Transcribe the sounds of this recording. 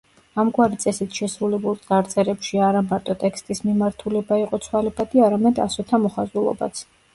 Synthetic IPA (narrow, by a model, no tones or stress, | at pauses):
amɡwaɾit̪sʼɛsit̪ʰʃɛsɾulɛbulˠsʼaɾt̪sʼɛɾɛpʃiaɾamaɾt̪ʼɔt̪ʼɛkʰst̪ʼismimaɾt̪ʰulɛbaiqʼɔt̪sʰwalɛbad̪iaɾamɛd̪a̰sɔt̪ʰamɔχazulˠɔ̰ba̰t̪sʰ